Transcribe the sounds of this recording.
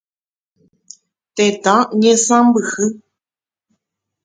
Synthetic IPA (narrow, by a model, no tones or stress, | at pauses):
t̪et̪ãɲẽsãmbɨhɨ